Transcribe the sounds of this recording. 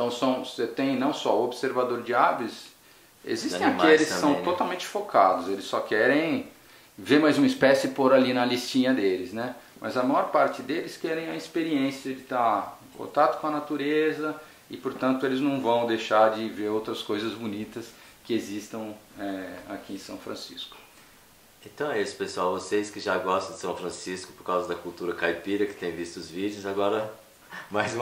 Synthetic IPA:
t̪ɐ̃w̃sɐ̃w̃set̪ẽj̃nɐ̃w̃sɔobseɾvad̪oɾd͡ʒɪabɪs | ḛzist̪ẽakielɪskɪsɐ̃w̃t̪ot̪awmẽnt͡ʃɪ̥fokʰa̰d̪ʊzelɪsːɔkɛɾẽj̃ | veɾmajzũmɪspɛsʊɪpoɾalinɐlist͡ʃĩɲɐd̪elɪznɛ | mʔɐ̰zɐmajɔɾpaɾt͡ʃɪd̪elɪskɛɾẽj̃ɐispeɾiẽsiɐd͡ʒɪt̪aɾẽkõ̰t̪at̪ʊ̥kõɐnat̪uɾezɐ | ɪpoɾt̪ɐ̃nt̪ʊelɪznɐ̃w̃vɐ̃w̃d̪ejʃaɾd͡ʒɪveɾowt̪ɾɐskojzɐzbunit̪ɐskɪezist̪ɐ̃w̃ɛa̰kiẽsɐ̃w̃fɾɐ̃sḭskʊ̥ | ẽnt̪ɐ̃w̃ɛisʊ̥pesuawvosejskɪʒaɡɔst̪ɐ̃d͡ʒɪsɐ̃w̃fɾɐ̃siskʊ̥poɾkawzɐd̪ɐkuwt̪uɾɐkajpiɾɐkɪ̥t̪ẽj̃vist̪ʊʊzvid͡ʒjʊzaɡɔɾɐ | majz

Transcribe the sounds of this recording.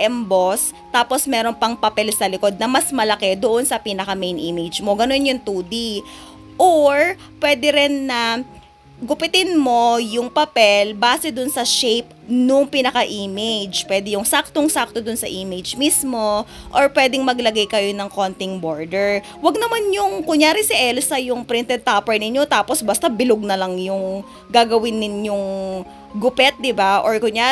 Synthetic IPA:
ʔɛmbos | t̪aːpo̞smɛːɾonpɐŋpɐpɛlsɐlɪko̞d̪̚nɐmɐsmɐlɐkɛd̪oʔonsɐpiːnɐkɐmejnʔiːmed͡ʒmo̞ɡɐno̞njʊŋt̪uːd̪i | ʔoɹ | pwɛːd̪ɛɾɛnːɐ | ɡʊpɪt̪ɪnmo̞jʊŋpɐpɛlbaːsɛd̪ʊnsɐʃejp̚ | nʊŋpinɐkɐʔiːmed͡ʒpwɛːd̪ɛjʊŋsak̚t̪oŋsak̚t̪od̪ʊnsɐʔiːmɪd͡ʒmismo̞ | ʔoɹpwɛːd̪ɪŋmɐɡlɐɡajkɐjo̞nɐŋkont̪ɪŋboɹd̪ɛɹ | wɐɡ̚nɐmanjʊŋkʊɲjaːɾɪsɪʔɛlsɐjʊŋpɾɪnt̪ɛd̪̚t̪aːpɛɹnɪɲjo̞t̪aːposbɐst̪abɪloɡ̚nɐlɐŋjʊŋ | ɡaɡɐwɪnːɪnjoŋ | ɡʊpɛt̪̚d̪ɪbaʔoɹkʊɲjaː

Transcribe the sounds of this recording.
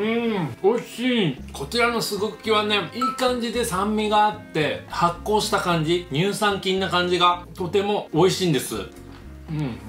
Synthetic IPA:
ɯ̟̃o̞iɕiːkʰo̞t͡ɕiɾano̞sɨɡokʲiβane̞iːkãɲ̟d͡ʑid̪e̞sãmːʲiɡaːt̪ːe̞hakːo̞ːɕi̥t̪akãɲ̟d͡ʑiɲ̟ɨːsãŋkʲĩnːakãɲ̟d͡ʑiɡat̪o̞t̪e̞mo̞ːiɕĩːnd̪e̞sɨ̰ | ɯ̃ɴ

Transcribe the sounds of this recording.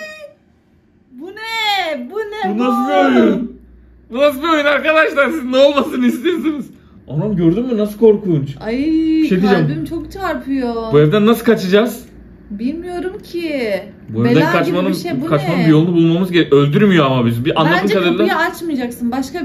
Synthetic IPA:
bunɛbunɛbunasɯbioun | bunas̬ɯbio̞junaɾkad̪aʃlˠaɾsizno̞lˠmasɯnist̪ejes̬iniz̥ | onamɟøɾd̪ymːynasɯlkʰo̞ɾkʰuːnt͡ʃat͡ʃʰek̪id͡ʒɛmimt͡ʃʰokt͡ʃʰaɾpʰɯjobuevd̪ænːasɯlˠkʰat͡ʃʰɯd͡ʒaz̥ | bilʲmijo̞ɾumcʰɪ | bued̪ænkʰat͡ʃmanɯmʃukʰat͡ʃmanɯmbijo̞lˠunubulˠmamɯzɟeølʲd̪yɾmijoamabizimbiʔanlˠat̪ɯmʃad̪ɯɾd̪ˠaat͡ʃmɯjd͡ʒaksɯnbaʃka

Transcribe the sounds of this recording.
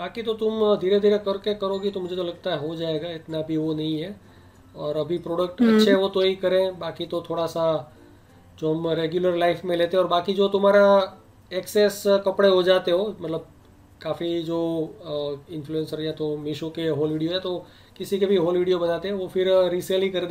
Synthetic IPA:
baːkit̪ot̪ʊmd̪ʱiːɾed̪ʱiːɾekɐɾkekɐɾoːɡit̪omʊd͡ʒʱet̪olɐɡ̚t̪aɦɛɦod͡ʒaːeɡaɪt̪nabʱiʋonɐɦĩɦɛ | ɔːɾɐbʱipɾoːɖək̚ʈɐtːʃʰeɦɛʋot̪oɦikɐɾẽbaːkit̪ot̪ʰoːɽasa | d͡ʒoːɦɐmɾeːɡjʊləɾlaːɪfmẽleːt̪eɦɛɔːɾbaːkid͡ʒoːt̪ʊmɦaːɾa | eːkseːskɐpɽeɦod͡ʒaːt̪eɦoːmɐt̪ləb̚ | kaːfid͡ʒoː | ɪ̃nfʰluɛ̃nsəɾjɛt̪omɪʃõkeɦoːlʋiːɖijoɦɛt̪o | kɪsikebʱiɦoːlʋiːɖijobɐnaːt̪eɦɛ̃ʋofɪɾɾiːseːlikɐɾd̪

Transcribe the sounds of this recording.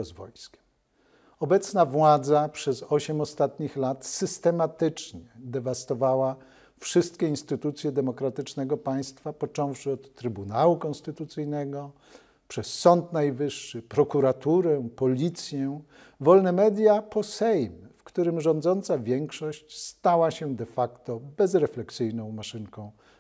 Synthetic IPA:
zvɔ̰jskʲɛ̥m | ɔbɛt̪snavwad̪zapʂɛzɔɕɛmɔst̪at̪ɲixlat̪sɘst̪ɛmat̪ɘt͡ʂɲɛd̪ɛvast̪ɔvawa | fʂɘst̪kʲɛinst̪ɘt̪ut̪sʲjɛd̪ɛmɔkɾat̪ɘt͡ʂnɛɡɔpaj̃st̪fapɔt͡ʂɔ̃w̃fʂɘɔt̪ːɾɘbunawukɔnst̪ɘt̪ut̪sɘjnɛɡɔ | pʂɛsːɔnt̪najvɘʂːɘpɾɔkuɾat̪uɾɛpɔlʲit̪sʲjɛ | vɔlnɛmɛd̪ʲjapɔsɛjmfkt̪uɾɘmʐɔ̃nd̪zɔnt̪savʲjɛŋkʂɔɕt͡ɕst̪awaɕɛd̪ɛfakt̪ɔbɛzɾɛflɛksɘjnɔ̃w̃maʂɘŋkɔ̃w̃

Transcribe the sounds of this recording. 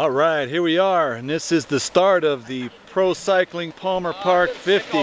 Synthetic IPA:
ɔlˠɹaɪt̚hiɹwiə̃˞nðɪsɨzðɨstɑɹɾʌvðɨpʰɹ̥oʊsaɪklɪ̃ŋpʰɑmə˞pʰɑɹkfɪfti

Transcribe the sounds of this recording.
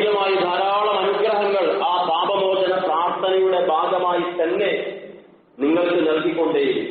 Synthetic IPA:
lɐmaːjinɐɾaːɭɐmɐnukɾɐɦɐŋːɐɭaːsaːbɐmoːd͡ʑɐnɐpraːrt̪ʰɐnɐjuɽe̞bʱaːɡɐmaːjit̪ɐnːe̞ | niŋːɐɭkɨnɐlkikʲːo̞ɳɖeːju

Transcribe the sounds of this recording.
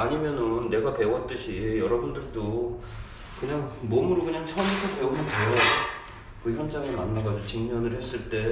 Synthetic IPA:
aɲimjʌnɯnːe̞ɡape̞uɦat͈ɯɕʰijʌɾʌbundɯɭt͈o | kɯɲaŋmomuɾokɯɲaŋt͡ɕʰʌmtʰape̞umɯnpeo | kɯçjʌnd͡ʑaŋemanːaɡad͡ʑot͡ɕiŋɲʌnɯɭhe̞s͈ɯɭt͈e̞

